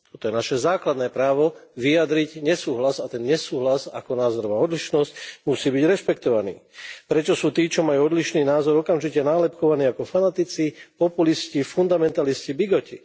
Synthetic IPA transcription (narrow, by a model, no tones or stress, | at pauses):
t̪ɔt̪ɔjɛnaʃɛzaːklad̪nɛːpɾaːʋɔʋijad̪ɾicɲɛsuːɦlazat̪ɛnɲɛsuːɦlaza̰kɔnaːzɔɾɔʋaːɔd̪liʃnɔscmusiːbiɟɾɛʃpɛkt̪ɔʋanḭːpɾɛt͡ʃɔsuːt̪iːt͡ʃɔmajuːɔd̪liʃniːnaːzɔɾɔkamʒicɛnaːlɛpkɔʋaniːakɔfanat̪it͡sipɔpuliscifund̪amɛnt̪aliscibiɡɔci